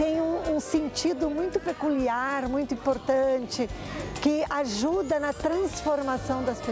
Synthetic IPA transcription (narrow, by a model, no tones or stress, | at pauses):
t̪ẽj̃ũũsẽnt͡ʃid̪ʊmũj̃t̪ʊpekuliaɾmũj̃t̪ʊĩpoɾt̪ɐ̃t͡ʃɪkɪʔaʒud̪ɐnɐt̪ɾɐ̃sfoɾmasɐ̃w̃d̪ɐspe